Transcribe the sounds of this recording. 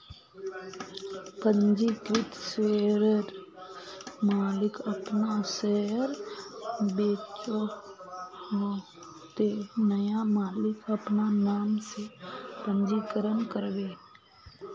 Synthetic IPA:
pə̃nd͡ʒikɪt̪sʋeːɾəɾ | maːlɪkəpnasɛɾ | beːt͡ʃo | ho | t̪enəjamaːlɪkəpnanaːmsepə̃ɲd͡ʒikəɾənkəɾbeː

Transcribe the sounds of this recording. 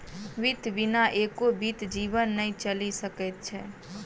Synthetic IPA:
ʋit̪binaʔekobit̪d͡ʒibənːəit͡ʃəlisəkɛt̪̚t͡ʃʰɛ̰

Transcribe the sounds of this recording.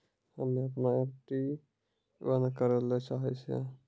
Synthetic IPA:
həmeəpnaekʈi | bənkəɾəlɛt͡ʃaɦɛt͡ʃʰɛ̰

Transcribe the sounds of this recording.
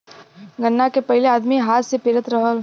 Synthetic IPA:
ɡənːakepɐɦɪleaːd̪miɦaːt̪sepɪːɾət̪ɾəɦəl

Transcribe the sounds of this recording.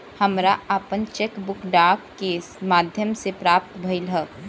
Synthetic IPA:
həmɾaaːpənt͡ʃekbʊkɖaːkːe | maːd̪ʱjəmsepɾaːp̚t̪bʱəɪlɦə

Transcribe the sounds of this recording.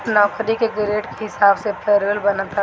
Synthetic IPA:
nɔːkɾikeɡɾeːʈkeɦɪsaːbsepʰeːɾʋəlbɐnat̪a

